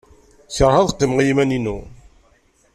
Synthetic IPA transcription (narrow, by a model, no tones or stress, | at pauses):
səɾˤhɑðˤəqːimʁiimæninṵ